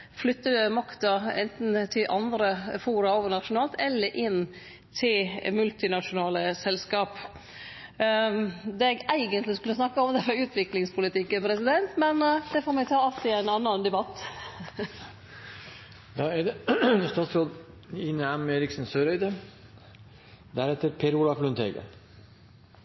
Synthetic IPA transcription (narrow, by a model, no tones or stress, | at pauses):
flʏt̪ːəd̪ʉmɑkt̪ɑɛ̰nt̪n̩t̪ʰɪʔɑnd̪ɾəfuːɾɑoːʋəɳɑʃʊnɑːlt̪ɛlːəʔɪnː | t̪ʰɪlmʉlt̪ɪnɑʃʊnɑːləsɛlskɑːp | d̪ɛɡæɪɡənt̪lɪskʉlːəsnɑkːəɔmd̪ɛfɑʉːt̪ʰʋɪklɪŋspʰʊlɪt̪ʰɪkːənpʰɾɛsɪd̪ɛnt̪mɛnd̪ɛfoːɾmɛɡt̪ʰɑːɑlt̪ɪæɪnɑnːɑnd̪ɛbɑt̪ː | d̪ɑːɛd̪ɛst̪ɑːt̪sɾoːd̪ | inəæmeːɾɪksn̩søːɾœʏd̪ə | d̪æɾɛt̪ːəɾpʰeːɾuːlɑflʉnt̪ʰḛːɡə̰